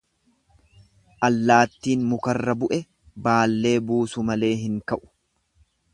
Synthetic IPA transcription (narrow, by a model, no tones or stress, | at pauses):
ʔɐlːaːt̪ːiːnmʊkɐrːɐbʊʔɛ | baːlːe̞ːbuːsʊmɐle̞ːɦɪŋkɐʔʊ̥